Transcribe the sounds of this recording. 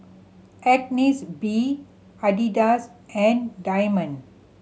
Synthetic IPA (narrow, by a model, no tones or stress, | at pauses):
ɛʈnisbiː | aɖiɖasɛ̃ɳɖaɪmə̃n